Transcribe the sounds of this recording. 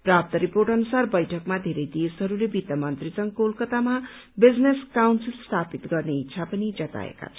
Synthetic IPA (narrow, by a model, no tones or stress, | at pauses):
prap̚t̪ʌɾiporʈʌnusarbʌjʈʰʌkmad̪ʱeɾʌjd̪esɦʌɾulebit̪ʌmʌnt̪rit͡sʌŋkoulkʌt̪ama | bid͡zneskawnsilst̪ʰapit̪ɡʌrneitːsʰapʌnid͡zʌt̪a̰ḛka̰t͡sʰʌ